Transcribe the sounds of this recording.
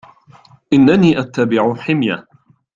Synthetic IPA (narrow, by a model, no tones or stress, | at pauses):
ʔɪnːaniːʔat̪ːabɪʕʊħɪmja